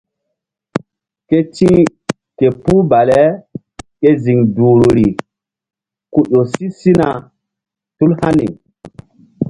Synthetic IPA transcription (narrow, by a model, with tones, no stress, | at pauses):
ke˦t͡ʃĩ˦ | ke˨pu˦ba˨le˦ | ke˦zi˨ŋduː˨ɾu˨ɾi˨ | ku˨ɗo˨si˦si˦na˨ | tu˦lha˦nḭ˨